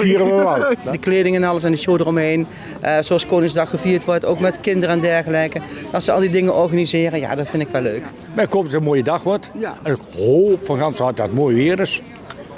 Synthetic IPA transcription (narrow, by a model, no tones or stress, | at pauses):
fiərəʋədəkleːdɪŋɛnɑləs̬ɛndəʃoːdərɔmɦejn | ʔzoɑlˠskoːnɪŋzdɑxxəviːɹtʋɔɹtoːwkmɛtkɪndərəɛndɛɹɣəlɛjkəɑsəɑ̰lˠdidɪŋəʔɔɹɣanizɪːrəja̰ːdɑtfɪndɪkʋɛlːøɥk | mɛkoptətənmoːjədɑxʋɔtənkhopfɔnχɑnsat̚atmoːjʋɪːɾɪs